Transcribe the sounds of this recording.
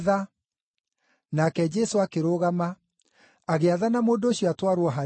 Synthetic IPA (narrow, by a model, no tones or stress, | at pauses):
a | nakɛd͡ʒɛsoakeɾoːɣama | aɣeaðanamoːndooɕjɔatwaɾwɔɦa